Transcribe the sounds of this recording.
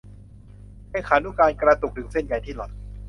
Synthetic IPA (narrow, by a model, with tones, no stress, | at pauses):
kɛ˥˩kʰaː˩˦nu˦˥˨kaː˧nkɾa˧t̪u˨˩k̚t̪ʰɯ˩˦ŋse˥˩nka˧jt̪ʰiː˥˩lɔ˨˩t̪̚